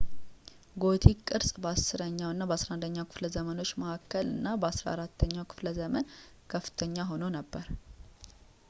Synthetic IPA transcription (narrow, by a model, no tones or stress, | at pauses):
ɡo̞t̪ʰikʼːɨɾsʼbəasːɨɾəɲːawɨnːabəasɾaʔnd̪əɲːawkʰɨfləzəməno̞t͡ʃːməʔakːəlɨnːabəasɾa̰a̰ɾat̪ʰːəɲːawkʰɨ̥fləzəmən | kʰəfːɨ̥t̪ʰəɲːaɦo̞nəwnəbːəɾ